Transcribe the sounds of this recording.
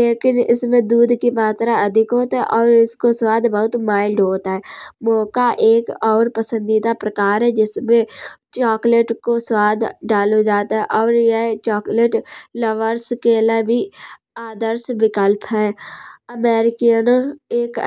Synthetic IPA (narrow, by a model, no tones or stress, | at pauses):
leːkɪnɪ̰smẽd̪uːd̪ʱkimaːt̪ɾaɐd̪ʱɪkɦoːt̪ɦɛʔɔːɾɪskoswaːd̪bəɦʊt̪maːɪlɖɦoːt̪aɦɛːmɔːkaʔeːkɔːɾpəsə̃nd̪id̪apɾəkaːɾɦɛd͡ʒɪsmẽt͡ʃɔːkleʈkoswaːd̪ʱɖaːlod͡ʒaːt̪aɦɛʔɔːɾjɛt͡ʃɔːkleʈləʋəɾskelebʱi | aːd̪əɾsbɪkəlpɦɛːəmɛːɾɪkijəneːk